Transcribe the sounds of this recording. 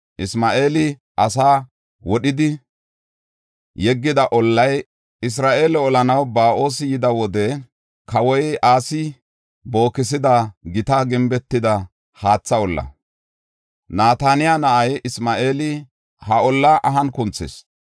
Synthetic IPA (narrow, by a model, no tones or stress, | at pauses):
ʔɪsmaːʔeːlɪ | ʔɐsaː | wɔɗɪd̪ɪ | jɛɡːɪd̪ɐʔɔlːɐj | ɪs̬ɾaːʔe̞ːlɛɔlɐnɐwbaːʔo̞ːsɪjɪd̪ɐwɔd̪ɛ | kɐwɔjaːsɪ | bo̞ːkːɪs̬ɪd̪ɐɡɪt̪ɐɡɪmbɛt̪ːɪd̪ɐ | haːt͡sːɐɔlːɐ̰ | naːt̪anɪjanɐʔɐjɪsmaːʔe̞ːlɪ | hɐɔlːaːʔɐɦɐnkʊnt͡sːḛs